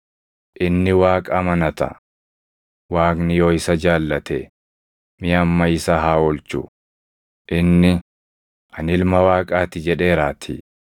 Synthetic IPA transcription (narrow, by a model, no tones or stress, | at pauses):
ʔɪnːɪwaːkʼɐmɐnɐt̪ɐ̰ | waːknɪjoːɪsɐd͡ʒaːlːɐt̪ɛ | mɪɐmːɐɪsɐɦaːɔlt͡ʃʊ̰ | ʔɪnːɪ | ʔɐnɪlmɐwaːkʼaːt̪ɪd͡ʒɛᶑe̞ːɾaːt̪ʰḭ